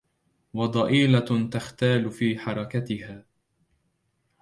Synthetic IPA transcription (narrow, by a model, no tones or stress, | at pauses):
wɑd̪ˤɑʔiːlat̪axt̪aːlfiːħɑɾˤɑkat̪ɪhaː